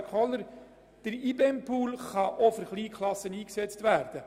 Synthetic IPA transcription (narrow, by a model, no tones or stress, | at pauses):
kʰɔlːəɾ | d̥əɾibɛmpʰuːlχɑʔofəɾχliːkʰlˠɑsəniːksɛt͡stʋæːɾd̥ə